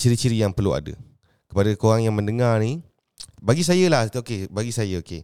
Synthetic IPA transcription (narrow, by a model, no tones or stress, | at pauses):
t͡ʃiɾit͡ʃiɾijaŋpərlua̰də̰ | kə̥padakoɾaŋjaŋməndəŋarni | baɡis̬ajəlah̪okebaɡisajəoke